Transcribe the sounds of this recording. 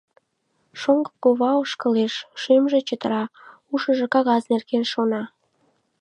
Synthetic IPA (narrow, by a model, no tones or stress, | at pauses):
ʃoŋɡəkoβɑoʃkəleʃːymʒe̽t͡ɕət̪əɾɑ | uʃəʒĕkɑɣɑznerkenʃonɑ